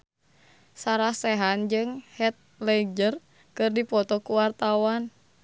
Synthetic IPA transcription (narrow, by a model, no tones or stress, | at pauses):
saɾahsɛɦand͡ʒɨŋhɛt̪̚lɛd͡ʒər | kɨrdipɔt̪ɔkuwart̪awan